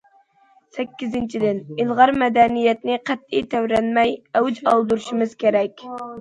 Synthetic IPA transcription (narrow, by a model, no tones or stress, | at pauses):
sɛkʲːizɪnt͡ʃʰid̪ɪnilˠʁɑɾmɛd̪ɛnijɛt̪nɪqʰæt̪ːijt̪ʰæwɾɛnmɛjɛwd͡ʒɑlˠd̪uɾuʃimɨz̥kʲeɾɛkʲ